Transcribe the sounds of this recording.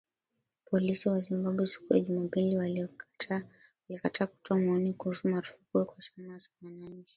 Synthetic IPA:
pʰɔlisiwazimbaɓwɛsi̥kuja̰ʄumapiliwa | walikatʰaːku̥tʰɔamaɔnikuhusumaɾu̥fukuɛkwat͡ʃamat͡ʃamananʃi̥

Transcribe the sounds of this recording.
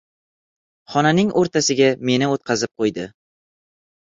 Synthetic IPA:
χɒnanɪŋʔoɾt̪ʰasɪɡʲame̞nɪot̪qʰɑzɪp̚qʰojd̪ɪ

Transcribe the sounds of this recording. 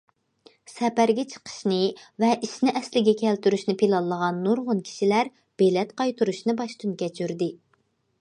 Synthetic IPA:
sɛpæɾɡʲɛt͡ʃʰə̥qʰə̥ʃnɨvɛʔiʃnɪʔɛslɪɡʲɛkʲʰɛlt̪yɾyʃnɪpʰilˠɑlˠːəʁɑnːuɾʁʊnkʲʰi̥ʃilæɾ | b̥elɛt̪qɑjt̪ʰuɾuʃnɨbɑʃt̪ʰunkʲɛt͡ʃʰyɾd̪ɪ

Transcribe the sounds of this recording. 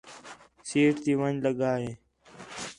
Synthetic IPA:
siːʈt̪iːʋə̃nd͡ʒləɡaːɦeː

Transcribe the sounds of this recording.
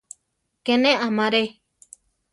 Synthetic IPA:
kenẽʔãmãɾe

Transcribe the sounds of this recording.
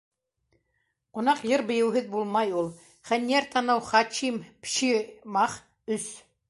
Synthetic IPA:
qŏnɑqjɤɾbɤ̆jɤ̆wɦɤðbulˠmɑjulˠ | χænːiæɾt̪ʰɑnɤwχɑt͡ʃimpʃimɑχ | ɵs

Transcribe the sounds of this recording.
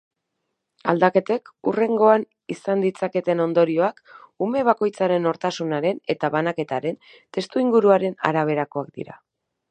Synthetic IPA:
a̰ld̪ake̞t̪e̞kure̞ŋɡo̞an | isand̪it͡sake̞t̪e̞no̞nd̪o̞ɾio̞akume̞β̞ako̞jt͡saɾe̞no̞ɾt̪asunaɾe̞ne̞t̪aβanake̞t̪aɾe̞n | t̪e̞st̪uiŋɡuɾuaɾe̞na̰ɾaβ̞e̞ɾako̞akd̪ḭɾa̰

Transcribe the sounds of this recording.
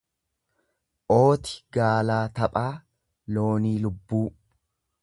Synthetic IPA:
ʔo̞ːt̪ɪ̥ɡaːlaːt̪ɐpʼaː | lo̞ːniːlʊbːuː

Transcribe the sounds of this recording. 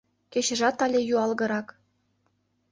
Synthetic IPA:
keɕɘ̆ʒɑt̪ɑlʲejuɑlˠɣɤ̆ɾɑk

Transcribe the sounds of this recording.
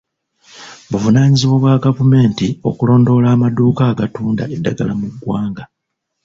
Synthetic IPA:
βuvunaːɲiziβoβwaɡavume̞ːntio̞̰kulo̞ːndo̞ːlaːmaduːkaːɡatuːnda̰edːaɡalamuɡwaːŋɡa

